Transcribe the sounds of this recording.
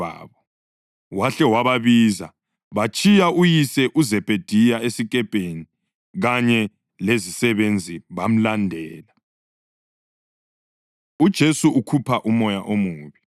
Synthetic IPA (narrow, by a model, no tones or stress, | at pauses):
a̰ːβɔ | waɬɛwaβaβiːza̰ | βat͡ʃʼijaujisɛʔuzɛb̥ʱed̥ʱijaesikʼɛpʼeni | ɣaɲɛ | lezisɛβend͡zʱiβam̩landʱɛːla | ud̥ʒ̥ʱesuʔukʰupʰaʔumɔjaʔomuːβi